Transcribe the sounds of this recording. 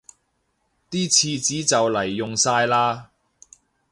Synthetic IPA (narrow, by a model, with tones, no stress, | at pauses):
t̪iː˥t͡sʰiː˧t͡siː˨˥t͡sɐ˨wlɐ˨˩jːʊ˨ŋsaː˧jlaː˧